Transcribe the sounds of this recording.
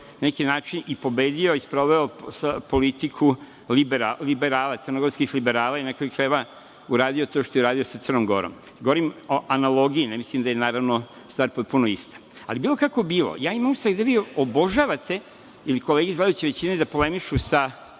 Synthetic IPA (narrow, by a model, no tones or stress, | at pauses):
nanekinaːt͡ʃinipo̞beːd̪ioispɾo̞ʋeopolit̪ikʰu | libɾalibeɾaːlat̪sɨr̩noɡo̞ɾskixlibeɾaːlˠainekoikɾeʋa | uɾaːd̪iot̪o̞ːʃt̪ojeuɾaːd̪io̞sat̪rnomɡo̞̰ɾo̰m | ɡoʋoɾimoʔanalˠo̞ɡiinemislimd̪ajenaːɾaʋno | st̪ʋaːɾpo̞t̪̚punoist̪ḁ | a̰libiːlˠo̞kakobiːlˠo̰jaːimamst̪aɡd̪aʋiːobo̞ʒaʋat̪e̞ | ilikoleːɡizlad̪ajut͡ɕeʋet͡ɕined̪apolemiʃusa